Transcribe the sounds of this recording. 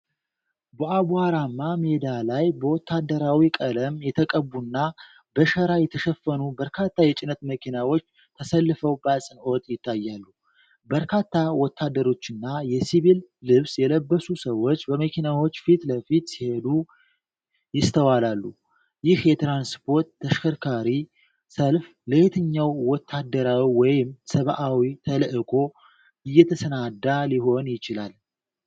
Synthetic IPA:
bəʔaβuhaɾamːamed̪alajbəwɔt̪ʰːad̪əɾawikʼələmjɛt̪ʰəkʼəbunːa | bəʃəɾajɛt̪ʰəʃəfːənubəɾkʰat̪ʰːajɛt͡ʃʼɪnət̪məkʰinawo̞t͡ʃː | t̪ʰəsəlːɨfəwbasʼɨno̞t̪ʼjɪt̪ʰːajːalːu | bəɾkʰat̪ːawɔt̪ʰːad̪ːəɾo̞t͡ʃːɪnːajɛsiβilːɨβsjɛləbːəsusəwːo̞t͡ʃːbəməkʰʲinawo̞t͡ʃːfit̪ləfit̪sihe̞d̪u | jɪst̪ʰəwalalːu | jɪhjɛt̪ɾanspʰo̞ɾt̪ʰːəʃkʰəɾkʰaɾi | səlf | ləhet̪ʰɨɲːawːɔt̪ʰːad̪ːəɾawiwɔjɪmsəβʔawit̪ʰələʔɨkʼo̞ | ɨjːɛt̪ʰəsənad̪ːaliɦo̞njɪt͡ʃɪlal

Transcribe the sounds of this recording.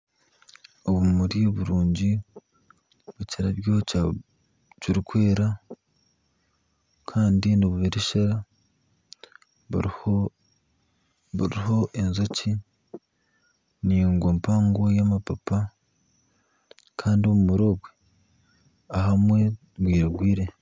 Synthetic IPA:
o̞βumuɾioβuɾuːɲɟi | βuciɾaβjo | ciɾikwe̞ːɾa | kʰaːndiniβuβeɾeʃeɾa | βuɾiɦo̞ʔenzoci | niːŋɡwo̞ːmpaːŋɡo̞jamapapa | kʰaːndio̞βumuɾo̞βwe | aɦamwe̞ | βwiːɾaɡwiːɾe̞

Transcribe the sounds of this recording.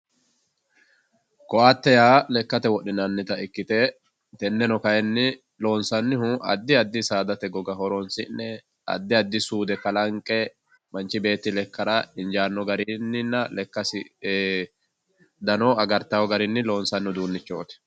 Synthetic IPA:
kɔaːt̪ːɛjaːlɛkːɐt̪ɛwɔɗːɪnɐnːɪt̪ɐɪkːɪt̪ɛ | t̪ɛnːɛnɔkɐjɛnːɪ | lo̞ːnsɐnːɪhʊɐ̰d̪ːɪɐd̪ːɪsaːd̪ɐt̪ɛɡɔɡɐhɔɾɔnsɪnːɛ | ɐ̰d̪ːɪɐd̪ːɪsuːd̪ɛkɐlɐŋkʼːɛ | mɐnt͡ʃːɪbe̞ːt̪ːɪlɛkːɐɾɐɪnd͡ʒaːnːɔɡɐɾɪnːɪnːɐlɛkːɐsɪ | d̪ɐnɔɐɡɐɾt̪ɐwɔɡɐɾɪnːɪlo̞ːnsɐnːɪʊd̪uːnːɪt͡ʃːo̞ːt̪ɛ̥

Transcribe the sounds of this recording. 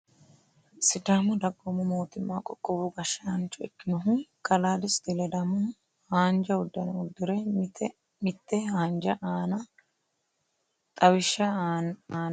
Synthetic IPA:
sɪd̪aːmʊd̪ɐkʼːɔmʊmoːt̪ɪmːaːkʼɔkʼːɔbʊɡɐʃːɐhɐnt͡ʃːʊɛkːɪnɔɦʊkɐlaːd̪ɪsd̪ɪlɛd̪ɐmʊ | haːnd͡ʒɐʊd̪ːɐnɐʊd̪ːʊɾɛ | mɪt̪ːɛhaːnd͡ʒɐʔaːnɐ | t̪ʼɐwɪʃːɐaːn

